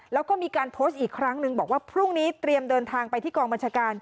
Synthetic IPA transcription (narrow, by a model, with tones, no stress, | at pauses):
lɛː˦˥wkɔː˥˩miː˧kaː˧npʰoː˦˥st̪̚ʔiː˨˩kʰɾa˦˥ŋnɯ˧ŋbɔː˨˩k̚waː˥˩pʰɾu˥˩ŋniː˦˥t̪ɾi˧əmdɤː˧nt̪ʰaː˧ŋpa˧jt̪ʰiː˥˩kɔː˧ŋba˧nt͡ɕʰaː˧kaː˧n